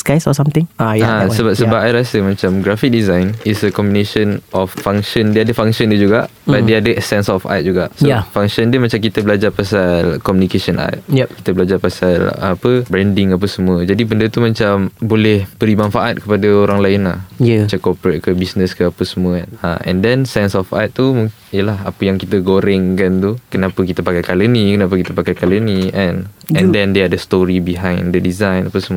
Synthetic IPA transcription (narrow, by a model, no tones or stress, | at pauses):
skajsɔsamt̪ɪ̃ŋaasəbap̚səbapajɾasəmãt͡ʃamɡɾafik̚dizajnisəkɔmbineʃənʔɔfːaŋʃəndiadəfaŋʃəndəd͡ʒuɡaʔbat̪deadəɛsɛnsɔfa̰t̪̚d͡ʒuɡaʔsəfaŋʃəndəmãt͡ʃamkit̪əbəlad͡ʒarpasalkɔmjũnikesənʔa̰t̪̚ki̥t̪əbəlad͡ʒarpasalapəbɾɛndɪŋap̬əsəmũəd͡ʒadibəndət̪umãt͡ʃambolɛhb̥əɾimãnfaʔat̪̚kəpadəoɾaŋlaɪnlaht͡ʃakɔpəɾət̪̚kəbisnəskəapəsəmũənaɛ̰̃ndɛnsɛnsɔfa̰t̪̚t̪umuŋ | ijəlahapəjaŋkit̪əɡoɾɛŋkant̪ukənãpəkit̪əpakajkalənĩkənap̬əkit̪əpakajkalənĩʔɛ̃nɛ̃ndɛndeadəst̪oɾibiɦãjndədizajnapəsəmũə